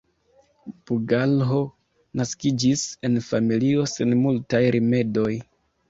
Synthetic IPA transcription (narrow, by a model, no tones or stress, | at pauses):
b̥uɡalɦo̞ | naskid͡ʒise̞nfamilio̞se̞nmultajɾʔime̞do̞j